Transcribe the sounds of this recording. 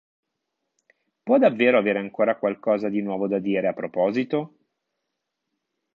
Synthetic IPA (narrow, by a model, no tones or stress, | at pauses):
pwɔd̪avːeːɾoaveːɾeaŋkoːɾakwalkɔːzad̪inwɔːvod̪ad̪iːɾeapːɾopɔːzit̪o